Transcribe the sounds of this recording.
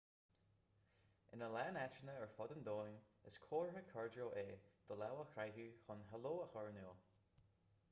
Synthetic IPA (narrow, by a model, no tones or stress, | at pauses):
ɪnəlaːnatɹənəəɹfɔd̪ənd̪oːnɪskʰoːɹhəkʰɔɹdoːʔeːd̪̥ɔlawəxɾajɦʉːxɔnɦɛloːəxɔɹnoː